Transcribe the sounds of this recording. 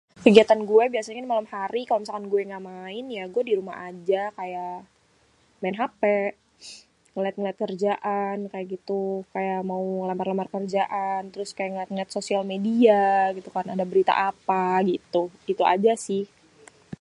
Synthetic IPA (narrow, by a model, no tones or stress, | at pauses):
kəɡiat̪anɡuɛbiasaɲakanmalamhaɾikalomisakanɡuɛŋɡaʔmaɪnjaɡuɛdiɾuma̰ha̰d͡ʒakaja | maɪnɦapɛ | ŋəliat̪̚ŋəliat̪̚kərd͡ʒaʔankajaʔɡit̪ukajaʔmauŋəlambarlamarkərd͡ʒaʔant̪əɾʊskajaŋt̪̚liat̪̚sosialmediaɡit̪ukaɾnadabəɾit̪a̰ʔapaɡit̪uit̪ua̰d͡ʒasɪh